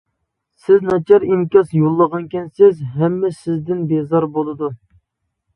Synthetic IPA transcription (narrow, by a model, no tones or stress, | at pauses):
sɪznɑt͡ʃʰɑɾimkʲɑsjolˠːəʁɑnkʲʰɛnsɪzɦɛmːɛsɪzd̪ɪnbezɑɾbolˠɨd̪u